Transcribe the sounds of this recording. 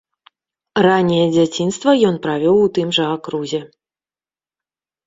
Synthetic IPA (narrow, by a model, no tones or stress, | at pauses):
ranʲːɛjɛd͡zʲat͡sʲinst̪vɐjɔnpɾavʲɔwut̪ɨmʐɐakɾuzʲɛ